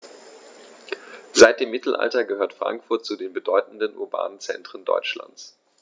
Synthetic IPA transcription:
z̥aɪt̚d̥eːmːɪtʰl̩ʔa̰ltɐɡəhøːɐtfʁ̥a̰ŋkfʊɐt̚t͡sudeːnbədɔʏtn̩dənʔṵɐba̰ːnnt͡sɛ̰ntʁ̥əndɔ̰ʏt͡ʃla̰nt͡s

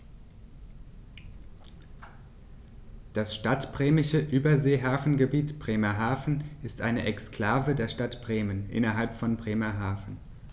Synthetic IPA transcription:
d̥asʃtatb̥ʁeːmɪʃəʔyːbɐzeːɦaːfn̩ɡəbiːtb̥ʁeːmɐɦaːfn̩ʔɪstʔa̰ɪnəʔɛkskl̥aːvədeːɐʃtatb̥ʁeːmənʔɪ̰nɐɦalpfɔnbʁeːmɐɦaːfn̩

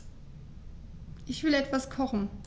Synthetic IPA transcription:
ʔɪçv̥ɪlɛtv̥askʰɔχn̩

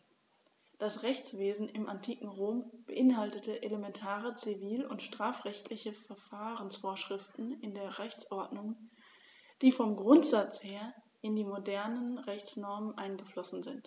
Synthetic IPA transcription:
d̥asʁɛçt͡sv̥eːzn̩ɪmʔantʰiːkŋ̩ʁoːmb̥əʔɪnɦaltətəʔelemɛntʰaːʁət͡siviːlʊ̰ntʃtʁ̥aːfʁ̥ɛçtʰlɪçəfɛɐfaːʁənsfoːɐʃʁ̥ɪftn̩ɪndeːɐʁɛçt͡sʔɔɐdnʊŋ | d̥iːfɔmɡʁʊntz̥at͡sheːɐ | ʔɪndiːmodɛɐnənʁɛçt͡snɔɐmənʔaɪnɡəflɔsn̩zɪnt

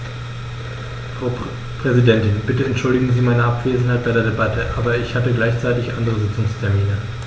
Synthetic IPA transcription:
fʁ̥aʊ | pʁ̥ɛzidɛntɪnb̥ɪtəɛntʃʊldɪɡŋ̩ziːmaɪnəʔapv̥eːzn̩haɪt̚b̥aɪdeɐdebatʰəʔaːbɐɪçhatəɡlaɪçt͡saɪtɪçʔandəʁəzɪt͡sʊŋstʰɛɐmiːnə

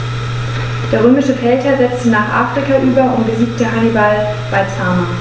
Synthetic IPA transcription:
d̥eːɐʁ̞øːmɪʃəfɛltʰɐzɛt͡stənaːχʔa̰ːfʁ̥ikaʔyːbɐʊntb̥əziːk̚təɦanibal | b̥aɪt͡sʰaːma

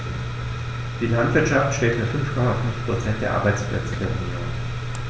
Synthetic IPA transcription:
d̥iːlantv̥ɪɐtʃaftʃtɛːtfyːɐfʏnfkʰɔmafʏnfpʁ̥ot͡sɛnt̚d̥eːɐʔaɐbaɪt͡spʰl̥ɛ̰t͡səd̥eːɐɛʊnjo̰ːn

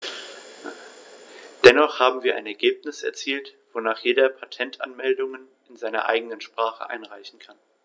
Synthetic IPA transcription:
d̥ɛnɔχhaːbm̩viːɐʔa̰ɪnɛɐɡeːpnɪsɛ̰ɐt͡siːltv̥onaːχjeːdɐpʰatʰɛntʰʔa̰nmɛldʊŋən | ɪnzaɪnɐ̰ʔa̰ɪɡənənʃpʁ̥aːχə̰ʔa̰ɪnʁaɪçn̩kʰan

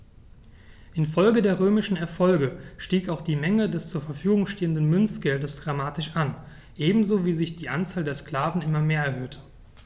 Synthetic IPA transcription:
ʔɪnfɔlɡədeːɐʁøːmɪʃn̩ɛɐfɔlɡəʃtiːkaʊxd̥iːmɛŋədɛst͡suːɐfɛɐfyːɡʊŋʃteːəndən̩mʏnsɡ̥ɛldəsd̥ʁamaːtɪʃʔan | ʔeːbm̩zoːviːzɪçd̥iːʔant͡saːldeːɐskl̥aːvn̩ʔɪmɐmeːɐɛɐɦøːtʰə̥

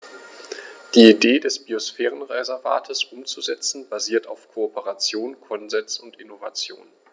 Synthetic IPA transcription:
d̥iːideːdɛsb̥iosfɛːʁ̞ənʁezɛɐva̰ːtʰəsʔʊmt͡suzɛt͡sn̩baziːɐtaʊfkʰoopəʁat͡sjoːnkʰɔnzɛnsʊntʔɪnova̰t͡sjo̰ːn

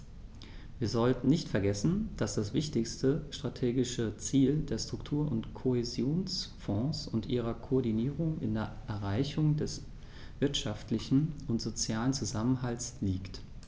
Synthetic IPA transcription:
viːɐzɔltn̩nɪçtfɛɐɡɛsn̩d̥asd̥asv̥ɪçtɪçstəʃtʁ̥atʰeːɡɪʃət͡siːldeːɐsʃtʁ̥ʊktʰuːɐʔʊntkʰoezjoːnsfɔ̃ːsʊntʔiːʁ̞ɐkʰoɔɐdiniːʁʊŋɪ̰ndeːɐʔɛɐʁaɪçʊŋdɛs | v̥ɪɐtʃaftlɪçn̩ʊntz̥ot͡sjaːlənt͡suzamənɦaltsliːkt

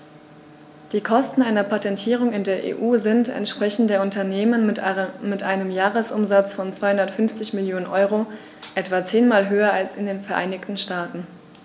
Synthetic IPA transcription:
d̥iːkʰɔstn̩ʔaɪnɐpʰatɛntʰiːʁ̞ʊŋɪndeːɐʔḛːʔuːzɪntɛ̰ntʃpʁ̥ɛçn̩deːɐʊntɐneːmənmɪtʔaɪnəmjaːʁəsʔʊ̰mzat͡sfɔnt͡sv̥aɪhʊndɐtfʏnft͡sɪçmɪljoːnənʔɔʏʁ̞o | ʔɛtv̥at͡seːnmaːlɦøːɐalsɪndeːnfɛɐʔa̰ɪnɪçtn̩ʃtaːtn̩

